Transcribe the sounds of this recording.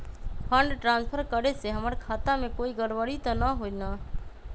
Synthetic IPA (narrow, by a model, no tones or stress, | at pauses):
fʰə̃ɳɖʈɾãːnspʰəɾkəɾeseɦəməɾkʰaːt̪amẽkoːiɡəɽʋəɽit̪anəɦona